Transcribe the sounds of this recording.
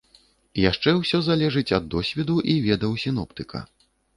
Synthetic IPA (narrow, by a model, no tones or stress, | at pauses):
jaʂt͡ʂɛwsʲɔzalʲɛʐɨt͡sʲɐd̪ːɔsʲvʲɛd̪uʔivʲɛd̪ɐwsʲin̪ɔpt̪ɨkʰɐ̰